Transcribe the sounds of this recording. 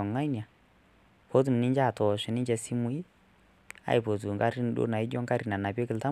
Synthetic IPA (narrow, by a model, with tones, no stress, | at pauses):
ɔ˨ŋa˦nja˨ | po˦t̬u˨m˨nɪ˦ɲd͡ʒa˦˨tɔ˨ʃɛ˨nɪ˦d͡ʒɛ˨si˦mu˦i˦ | a̰˨i˨po˨t̬u˨ŋɡa˦ɾi˦n˦ɗo̰˦na˨i˦d͡ʒɔ˦ŋka˦ɾi˨na˨na˨p̬jɔ˦kɪ˦lta˦